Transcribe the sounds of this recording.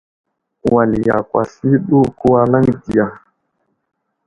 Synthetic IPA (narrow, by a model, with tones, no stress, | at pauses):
wa˨li˨ja̰˨kwa̰˨si˦ɗu˦ku˦wa˦la˦ŋdi˨ja˨